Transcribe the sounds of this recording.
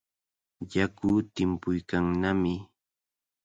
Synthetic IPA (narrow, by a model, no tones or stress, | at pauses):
jakuːt̪ɪmpʊjkaŋnamɪ